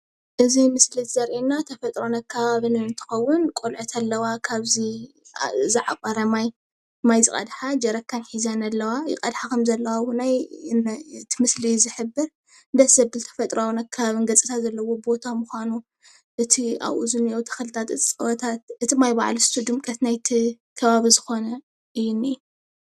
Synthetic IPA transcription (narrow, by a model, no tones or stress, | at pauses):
ʔɨzimɨslit̪zɐɾʔinːat̪ʰɐfɐt̪ʼɾonɐkʰːɐβaβɨnɨnt̪ʰɨ̥xɐwːʊnkʼolʕɨt̪ʰalːɐwakʰaβzi | zɨʕakʼɐɾɐmaj | majzɨkʼɐ̰d̪ħad͡ʒɐɾɐkʰːanħizanalːɐwajɪ̰kʼɐd̪ħakʰɐmzɐlːɐwawonaj | t̪ʰimɨslizɨħɨbːɨɾ | nd̪ɐsɐbbɨlt̪ʰɐ̥fɐt̪ʼɾawunakʰːɐβaβɨnɡɐt͡sʼɨ̥t̪ʰazɐlːɐwo̞bbo̞t̪ʰamuxʷanu | ʔɨt̪ʰia̰βʔṵzɨniʔowt̪ʰɐ̥xɨlɨt̪ʰat̪ɨt͡sʼɨwɐt̪ʰat̪ʔɨt̪ʰimajba̰ʕlist̪ʰud̪ɨmkʼɐt̪najt̪ʰi | kʰɐβaβizɨxo̞nɐ | ʔɨjːuniju